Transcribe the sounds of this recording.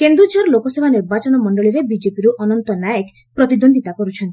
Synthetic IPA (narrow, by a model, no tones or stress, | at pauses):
kend̪ɾud͡ʒʱɔɾlokɔsebʱaniɾbat͡ʃɔnɔmɔɳɖɔɭiɾebid͡ʒepiɾuʔɔnɔnt̪ɔnajek | pɾɔt̪id̪ond̪ʱit̪akɔɾut͡ʃʰɔnt̪i̥